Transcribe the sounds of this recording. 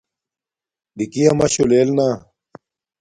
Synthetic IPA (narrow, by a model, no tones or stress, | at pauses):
dikiɐmɐɕoleːlnaː